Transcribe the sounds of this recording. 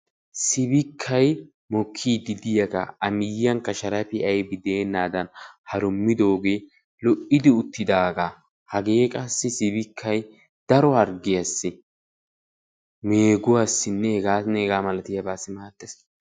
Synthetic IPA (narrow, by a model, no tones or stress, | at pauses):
sɪbɪkʰːɐj | mɔkʰːiːd̪ɪd̪ɪjɐkɐ̰ɐmɪjɪjɐŋkɐʃɐɾɐpɪɐjbɪd̪eːnːaːd̪ɐnhɐɾʊmːɪd̪o̞ːɡe̞ː | lɔʔɪd̪ɪʊt̪ːɪd̪aːɡa | hɐɡeːkʼɐsːɪsɪbɪkʰːɐj | d̪̥ɐɾɔhɐɾɡɪjɐsːɪ | meːɡʊwasːɪnːɛɛɡaːnɛɛɡaːmɐlɐt̪ɪjɐbaːsːɪmaːt̪ːes